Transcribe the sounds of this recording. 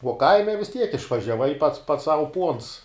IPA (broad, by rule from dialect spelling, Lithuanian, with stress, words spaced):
uɔ ˈkɐɪmʲɛ ʋʲɪs tʲiɛk ɪʃʋɐʒʲɛˈʋɐɪ pɐts pɐts sɐʊ puɔns